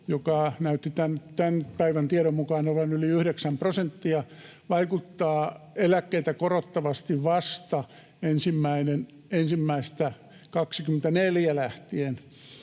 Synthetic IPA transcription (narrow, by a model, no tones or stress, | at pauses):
jokɑnæyt̪ːit̪ænt̪ænpæiʋænt̪ieɾommukɑːnolːɑnyliyhɾeksæmprosent̪ːiɑ | ʋɑikut̪ːɑːelækːeit̪ækorot̪ːɑʋɑst̪iʋʋɑst̪ɑ | ensimːæinen | ensimːæist̪æ | kɑksikyment̪æneljælæht̪ien